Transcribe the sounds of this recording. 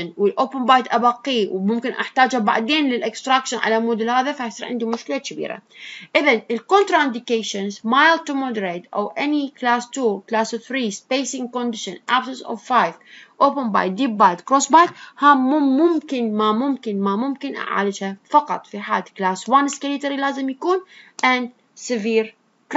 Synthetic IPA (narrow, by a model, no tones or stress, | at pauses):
nwɪlʔoːpɪnbajt̪ʔabaqːiːwmʊmkɪnʔa̰ħt̪aːd͡ʒhaba̰ʕd̪eːnlɪlʔɪkst̪ɾakʃɪnʕa̰lamʊd̪ʊlhaːðafahasˤiːɾʕɪ̰nd̪umʊʃkɪlakɪbḭːɾa̰ʔɪðanɪlkont̪ɾˤaʔɪnd̪ɪkeːʃanzmajlt̪umod̪əɾeːt̪ʔa̰wʔɛniklaːst̪uːklaːsθɾiːspejsɪŋkond̪ɪʃɪnʔabsɪnsɔ̰vfajvʔoːpɪnba̰ːjd̪iːp̚bajd̪kɾoːsbajt̪hamʊmʊmkɪnmamʊmkɪnmamʊmkɪnʔa̰ʕa̰ːlɪd͡ʒhafɑqɑt̪ˤfiħa̰ːlklaːswanskɪlit̪aɾilaːzɪmjakuːnʔand̪ | sɪviːɾ | k